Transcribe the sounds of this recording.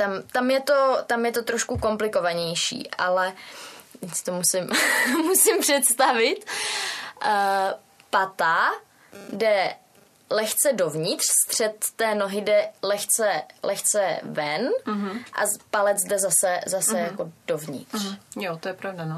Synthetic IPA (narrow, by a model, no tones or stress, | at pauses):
t̪amt̪amjɛt̪o̞t̪amjɛt̪o̞t̪ɾoʃkuko̞mplɪko̞vaɲɛjʃḭːʔa̰lɛ | ɪst̪omusɪmmusɪmpr̥ɛt̪st̪avɪt̪ | pat̪a | dɛ | lɛxt͡sɛdo̞vɲɪt̪r̥st̪r̝̥ɛt̪ːɛːno̞ɦɪdɛlɛxt͡sɛlʔɛxt͡sɛvɛnɦʔa̰palɛd͡zdɛzasɛzasɛjako̞dovɲɪ̰t̪rjot̪ojɛpɾavdano